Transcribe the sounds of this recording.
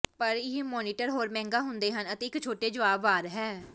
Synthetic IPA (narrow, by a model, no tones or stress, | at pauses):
pəɾɪɦmɔːniːʈəɾɦoːɾmɛ̃ːŋɡaːɦʊnd̪eːɦənət̪eːɪkt͡ʃʰoːʈeːd͡ʒəʋaːbʋaːɾɦɛː